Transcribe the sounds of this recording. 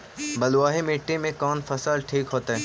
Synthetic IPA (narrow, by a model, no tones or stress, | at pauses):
bɐluaːɦemeːʈːemẽkɔːnfɐsaːlʈʰiːkɦoːt̪aɦɛː